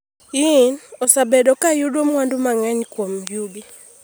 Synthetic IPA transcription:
inɔsabɛɗɔkajuɗwɔmwandumaŋaɲikwɔm̩ɡjubi

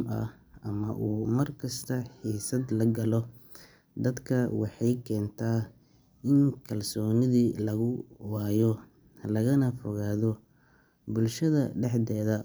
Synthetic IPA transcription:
mʔɐ̰h | ɐmɐ̰ʔuːmɐrkʰɐst̪ʰɐħiːsɐd̪lɐɡɐlɔ | d̪ɐd̪kʰɐwɑħɑjkʰɛːnt̪ʰaː | ʔɪŋkʰɐlsɔːnɪðilɐɣʊwɑːjɔ | lɐɣɐnɐfɔɣaːðɔ | bʊlʃɐðɐɖɛħd̪ɛːðɐ

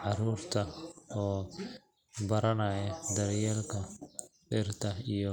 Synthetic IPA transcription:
ʕɑruːrt̪ʰɐɔː | bɐɾɐnɐːjɐd̪ɐrjɛːlkʰɐɖɪrt̪ʰɐijɔ

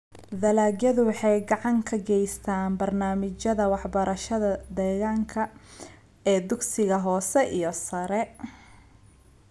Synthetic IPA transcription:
ðɐlaːɡjɐðʊwɑħɑjɡɑʕɑŋkʰɐɡɛjst̪ʰaːnbɐrnaːmɪt͡ʃɐðɐwɑħbɐɾɐʃɐðɐd̪ɛːɣaːŋkʰɐ | ɛːd̪ʊɡsɪɣɐɦɔːsɛʔijɞsɐɾɛ

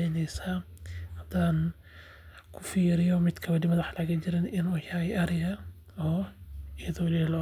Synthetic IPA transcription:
ɛnɛjsahɐd̪aːn | kʰʊ̥fiːɾɪjɔmɪd̪kʰɐwɐdɪmɐðaħlaɣɐt͡ʃɪɾɪnɪnuːjaːjɐɾɪjɐ | ɔːɪjɐðɔɪlːhlɔ

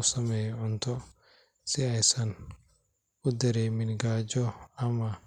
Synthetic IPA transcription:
sɐmɛːjʕʊnt̪ʰɔ | sɪɛjsɐn | ʊd̪ɐɾɛːmɪnɡaːd͡ʒɔɐmɐ

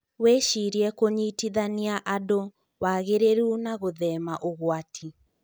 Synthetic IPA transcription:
weʃiɾiɛkoɲitiðaniaʔado | waɣeɾeɾunaɣoðɛmaʔoɣwatʰi

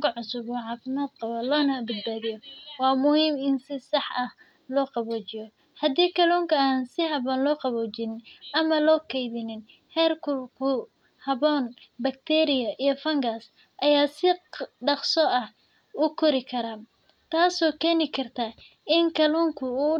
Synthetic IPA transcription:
ŋkʰɐʕʊsʊβɔːʕɑːfɪmaːd̪̚qɑβɐlɔːnɐbɐd̪̚baːðijɔwɑːmʊhiːmɪnsɪsɑħɐh | lɔːqɑβɔːt͡ʃɪjɔ | hɐd̪iːkʰɐluːŋkʰɐaːnsɪhɐβɔːnlɔːqɑβɔt͡ʃɪnɪnʔɐmɐlɔːkʰɛjðɪnɪn | ħɛːrkʰʊkʰʊ | hɐβɔːnbɐk̚t̪ʰɛːɾɪjɐʔijɞfɐŋɡas | ʔɐjaːsɪɖɑqsɔɐh | ʊkʰɔɾɪkʰɐɾaː | t̪ʰaːsɔːkʰɛːnɪkʰɐrt̪ʰaː | ɪŋkʰɐluːŋkʰʊuː

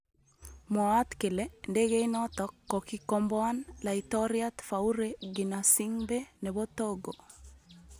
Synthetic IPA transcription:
mɔat̪kelendeɣeinɔt̪ɔkːɔkikɔmbɔanlait̪ɔɾiat̪fauɾeɡinasiŋbeneβot̪oɡo

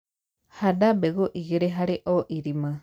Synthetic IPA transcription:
hadabeɣoʔiɣeɾeɦaɾeʔoʔiɾimã

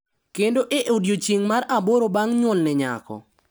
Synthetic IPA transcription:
kendoʔeʔodjot͡ʃiŋmaɾaboɾobaŋɲwɔlnɛɲa̰kɔ̰

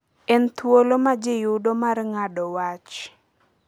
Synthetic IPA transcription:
ɛnt̪wolomad͡ʒɪjʊdomarŋadɔwat͡ʃ

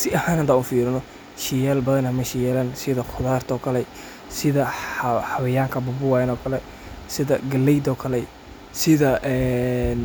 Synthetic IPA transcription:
sɪʔɐhaːnhand̪ɐːʊnfiːɾɪnɔ | ʃɪjɛːlbɐðɐnɐmɐʃɪjɛːlɐnsɪðɐχʰʊðaːrt̪ʰɔːkʰɐlɛ | sɪðɐħɑβɪjaːŋkʰɐbʊbʊwaːjɛnɔːkʰɐlɛ | sɪðɐɡɐlːɛjd̪ɔːkʰɐlɛj | sɪðɐʔɛːn

